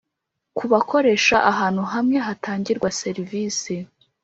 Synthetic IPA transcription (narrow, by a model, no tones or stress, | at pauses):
kuβakʰo̞ɾe̞ʃaʔaɦaːn̥huɦamŋe̞ɦatʰaːɲɟiɾɡwase̞ɾiviːsi